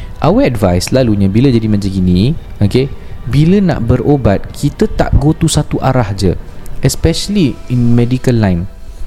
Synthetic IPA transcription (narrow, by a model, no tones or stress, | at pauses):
ʔawəɛdvajslaluɲãbiləd͡ʒadimãd͡ʒəɡinĩokebiləna̰ʔbəɾobat̪̚kʰit̪ət̪a̰ʔɡot̪usat̪uʔaɾahd͡ʒəɛspɛʃəliinmɛdikəlːãjn